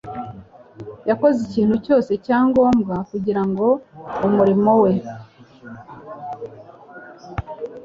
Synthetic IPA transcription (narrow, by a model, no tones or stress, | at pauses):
jako̞ziciːn̥huco̞ːse̞caːŋɡo̞ːmɡakuɟiɾaŋɡo̞umuɾimo̞we̞